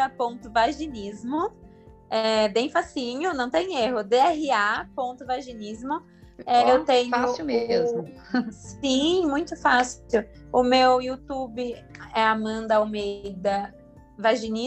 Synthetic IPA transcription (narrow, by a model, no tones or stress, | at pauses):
ɐpõt̪ʊvaʒinizmʊ | ɛd̪ẽj̃fasĩɲʊnɐ̃w̃t̪ẽj̃eɦʊd̪eɛɦɪapõnt̪ʊvaʒinizmʊ | ɛewt̪ẽɲfʊasmez | sĩmũj̃t̪ʊfasʊwʊmewiut̪ubɪɛamɐ̃nd̪ɐomejd̪ɐ | vaʒini